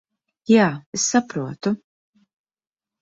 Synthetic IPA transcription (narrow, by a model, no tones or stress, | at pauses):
jaːɪsːɐpɾuːt̪ʊ